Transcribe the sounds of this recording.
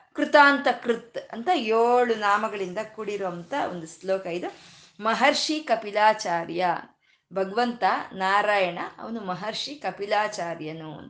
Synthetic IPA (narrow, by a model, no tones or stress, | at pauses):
kɾut̪aːnt̪ɐkɾut̪ɐ̰nt̪ɐjoːɭunaːmɐɡɐɭind̪ɐkuɽiɾoɐnt̪ɐo̰nd̪usloːkɐid̪u | mɐɦɐɾʂikɐpilaːt͡ʃaːɾjɐ | bʱɐɡɐʋɐnt̪ɐnaːɾaːjɐɳɐɐ̰ʋɐnumɐɦɐɾʂikɐpilaːt͡ʃaːɾjɐnṵn